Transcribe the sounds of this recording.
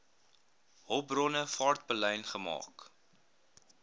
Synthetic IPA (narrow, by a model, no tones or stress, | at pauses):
ɦɔb̚brɔnəfɑːrt̚bəlɛjnχəmɑ̰ːk